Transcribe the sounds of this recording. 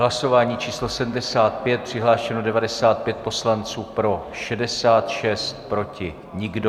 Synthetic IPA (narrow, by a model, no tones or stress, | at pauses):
ɦlaso̞vaːɲiːt͡ʃiːslo̞sɛdm̩dɛsaːt̪pjɛt̪̚pr̝̥ɪɦlaːʃɛnodɛvadɛsaːt̪̚pjɛt̪̚po̞slant͡suːpɾo̞ʃɛdɛsaːt̪ʃɛst̪̚pɾo̞cɪ | ɲɪɡdo